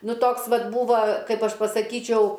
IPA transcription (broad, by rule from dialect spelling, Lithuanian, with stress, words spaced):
ˈnʊ toːks ˈʋɐt ˈbuːʋɐ ˈkɐɪp ˈɐʃ pɐsɐˈkʲiːt͡ʃʲɛʊ